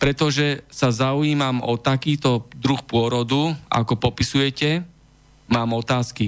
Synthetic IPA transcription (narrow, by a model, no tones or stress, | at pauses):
pɾɛt̪ɔʒɛsazaujiːmamɔt̪akiːt̪ɔd̪ɾuxpʊɔɾɔd̪ua̰kɔpɔpisujɛcɛ | maːmɔt̪aːski